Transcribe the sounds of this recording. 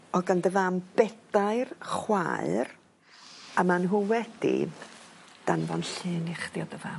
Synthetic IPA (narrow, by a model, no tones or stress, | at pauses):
ɔɡandəvamb̥ɛd̥aɨrχwa̰ɨr | amanɦuwɛd̥ḭ | d̥anvɔnɬɨːniχd̥jɔdəvam